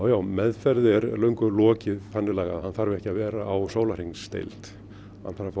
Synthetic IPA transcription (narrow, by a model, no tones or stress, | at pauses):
wjaːwmɛðfɛɾðɪɛɾlœɥŋkʏlɔːcɪðfanːɪlaːɣa̰ðhanθaːɾvɪɛhcɪavɛːɾaawsoːwlar̥iŋsːt̪ḛjlt̪ | hanfaɾɪf